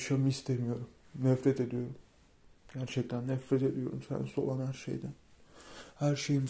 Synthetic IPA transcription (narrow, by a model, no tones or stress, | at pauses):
ʃamɯist̪ʰemijo̞ɾumnɛfɾɛt̪ed̪ijo̞ɾum | ɟæɾt͡ʃʰɛc̚t̪ʰænːɛfɾɛt̪ʰed̪ijo̞̰ɾumsæ̰nso̞lˠanhæɾʃḛjd̪ɪ | hæɾʃejim